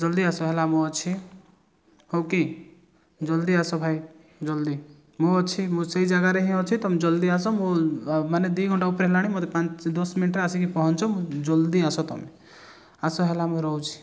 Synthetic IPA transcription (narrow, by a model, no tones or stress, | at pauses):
d͡ʒɔld̪iasɔɦelamũɔt͡ʃʰi | howke | d͡ʒɔld̪iasɔbʱaj | d͡ʒɔld̪i | muɔt͡ʃʰimũsejd͡ʒaɡaɾeɦĩɔt͡ʃʰit̪ɔmed͡ʒɔld̪iasɔmumaned̪wiɡʱɔɳʈaupɾeɦelaɽ̃imɔt̪epãt͡ʃd̪ɔsminʈɾaasikipɔɦɔnt͡ʃʰɔmũd͡ʒɔld̪iasɔt̪ɔ̰me | asɔɦelamũɾɔɦwt͡ʃʰi̥